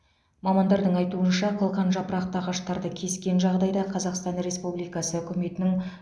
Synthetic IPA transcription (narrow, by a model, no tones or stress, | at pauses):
mɑmɑnd̪ɑɾd̪əɴɑjt̪uənʃɑqʰəlˠqɑnʒɑpəɾɑq̚t̪əɑʁɑʃt̪ɑɾd̪əkʲʰe̞skʲe̞nʒɑʁd̪ɑjd̪ɑqʰɑzɑqst̪ɑnɾe̞spublijkɑsəʏkʲʏme̞t̪ɪnɪŋ